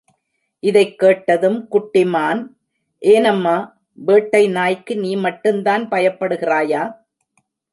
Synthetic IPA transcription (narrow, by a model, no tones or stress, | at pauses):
ʔɪðɐɪkːeːʈːɐðɯmkʊʈːɪmaːn | ʔeːnɐmːaː | ʋeːʈːɐɪnaːjkːɯniːmɐʈːɯmd̪aːnpɐjɐpːɐɽɯɣɪraːjaː